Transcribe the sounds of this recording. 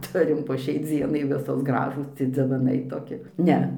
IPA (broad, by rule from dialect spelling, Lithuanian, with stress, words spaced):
ˈtʊrʲɪm poː ˈʃʲɛɪ ˈd͡zʲiɛnɐɪ ˈʋʲɪsoːs ˈɡrɑːʒuːs d͡zʲɪʋɐˈnɐɪ toːˈkʲɪ ˈnʲɛ